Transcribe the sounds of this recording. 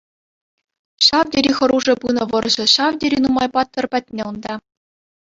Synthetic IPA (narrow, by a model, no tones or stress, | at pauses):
ɕɑvdʲeɾʲixɤ̆ɾuʐɤ̆pɯnɤ̆ʋɤ̆rʑɘ̆ɕɑʋdʲeɾʲinumɑjpɑt̪ːɤ̆rpʲæt̚ʲnʲeund̪ɑ